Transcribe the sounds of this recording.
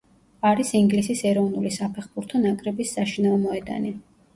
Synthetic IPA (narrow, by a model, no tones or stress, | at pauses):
aɾisiŋɡlisisɛɾɔvnulisapʰɛχbuɾt̪ʰɔnakʼɾɛbisːaʃinaɔmɔɛd̪a̰ni